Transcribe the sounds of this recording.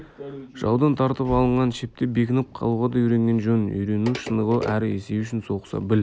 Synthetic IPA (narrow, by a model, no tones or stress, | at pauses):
ʒ̥ɑ̰wd̪ɑnt̪ʰɑɾt̪əpɑlˠəɴʁɑnʃep̚t̪ɪbekʲɪnɪp̚qʰɑ̰lˠuʁɑd̪ɑijɾe̞ŋɡʲe̞nʒʊnʏ̰jɾenuʃənəʁəʔæɾɪḛse̞ʏʃɪnso̞qə̥sɑ̰bɪl